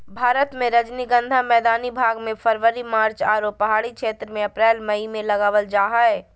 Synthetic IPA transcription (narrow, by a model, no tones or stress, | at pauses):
bʱaːɾət̪mẽɾəd͡ʒniɡənd̪ʱamɛːd̪anibʱaɡmepʰəɾʋəɾimaːɾt͡ʃaɾopːəɦaɽikʰet̪ɾəmẽəpɾɛːlməimẽləɡaːʋəld͡ʒaɦəe